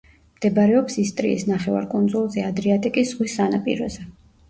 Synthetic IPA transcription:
md̪̥ɛbaɾɛɔpsist̪ʼɾḭḭsnaχɛva̰ɾkʼund̪zulˠzɛad̪ɾiat̪ʼikʼisz̥ʁwisːanapʼḭɾɔ̰zɛ

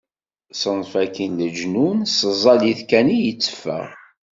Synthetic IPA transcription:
sənfækənləd͡ʒnunsəzˤːɑliθkænijət͡sːə̥fːə̰ʁ

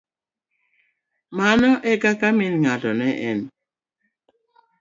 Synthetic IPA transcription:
manɔʔɛkakamɪnŋatɔnɛʔɛn

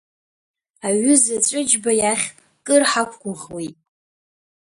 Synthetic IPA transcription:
aɥʏzat͡ʃʷʼɨd͡ʒbajaχʲʼ | kʼɨrħakʷʰɡʷʊʁwitʼ

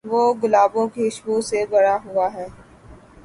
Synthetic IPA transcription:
ʋoːɡʊlaːbõkiɪʃbuːsebɐɽaɦʊaɦɛː

